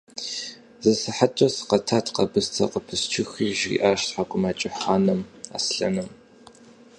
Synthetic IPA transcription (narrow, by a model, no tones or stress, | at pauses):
zɨsɨħat͡ʃʼɐsqɐtʰaːtʰqɐbɨstʰɐ̰qəpʰɨst͡ʃʰɪxiːʒḭʔaːʃtħakʷʼʊmaːt͡ʃʼɪħaːnɨma̰ːsɬɐ̰nɨm